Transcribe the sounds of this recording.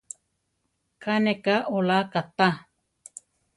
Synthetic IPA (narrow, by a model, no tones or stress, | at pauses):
kanekaʔolakat̪a